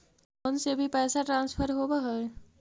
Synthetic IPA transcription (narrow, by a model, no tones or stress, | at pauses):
onsebʱipɛjsaʈɾãnspʰəɾɦobəɦəl